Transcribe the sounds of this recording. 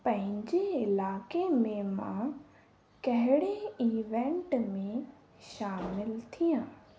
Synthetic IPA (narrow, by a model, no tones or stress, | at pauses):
pɐ̃ɦɪ̃ɲd͡ʑeɪlaːkemẽmã̰ | kɐɦɪɽeiːʋẽɳʈmẽ | ʃaːmɪlt̪ʰijãː